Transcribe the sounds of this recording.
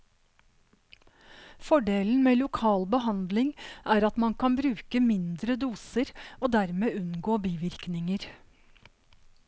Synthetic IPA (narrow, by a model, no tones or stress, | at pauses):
fɔɖeːln̩meːlʊkʰɑːlbəhɑnd̪lɪŋʔæːɾɑt̪mɑnkɑnbɾʉːkəmɪnd̪ɾəd̪uːsəɾoːd̪æɾmeːʉnɡoːbiːʋɪɾknɪŋəɾ